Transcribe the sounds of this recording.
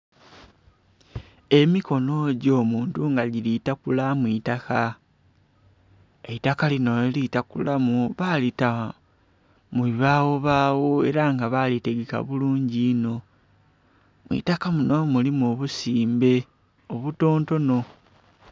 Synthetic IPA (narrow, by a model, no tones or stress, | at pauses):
e̞miko̞no̞ɟo̞ːmuːntuŋɡaɟilitakulamwiːtaka | eitakalino̞litakulamuβalita | muββaːɣo̞βaːwoe̞ɾaŋɡaβalite̞ɡeka̰βuluːɲɟino̞ | mwḭtakamuno̞mulimoβusiːmbe̞ | oβuto̞ːnto̞no̞